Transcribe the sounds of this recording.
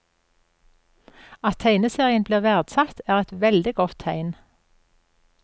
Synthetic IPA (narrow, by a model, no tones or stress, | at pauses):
ɑt̪ʰæɪnəseːʁɪənbliːʁʋæʁd̪̥sɑt̪æːʁɛt̪ʋɛld̪ɪɡɔt̪ʰːæɪn